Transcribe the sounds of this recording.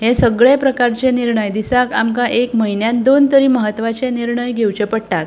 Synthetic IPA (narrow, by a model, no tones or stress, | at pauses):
ɦẽsəɡɭepɾəkaɾt͡ɕeniɾɳəjd̪isakamkãʔekməɦinjãt̪d̪ont̪əɾiːməɦət̪ːʋat͡ɕeniɾɳəjɡʱewt͡ɕepəɽʈak̪